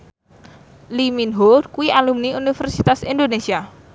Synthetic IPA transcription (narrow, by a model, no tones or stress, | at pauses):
liminɦorkuwialumniunifɛrsit̪asind̪onesia